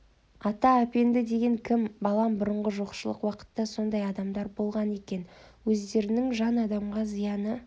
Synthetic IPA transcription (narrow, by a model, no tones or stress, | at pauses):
ɑt̪ɑæpe̞nd̪ɪd̪e̞ɡʲe̞ŋkʲʰɪmbɑlˠɑmbʊɾəɴʁəʒoqʃəlˠə̰qwɑqə̥t̪ːɑso̞nd̪ɑjɑd̪ɑmd̪ɑɾbo̞lˠʁɑne̞kʲe̞nwɵzd̪e̞ɾɪnɪŋʒɑnɑd̪ɑmʁɑzijɑnə